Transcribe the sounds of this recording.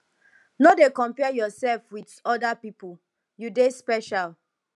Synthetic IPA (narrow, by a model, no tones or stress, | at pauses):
nodekɔ̃mpɛjɔsɛlfwidɔdapipul | judespɛʃal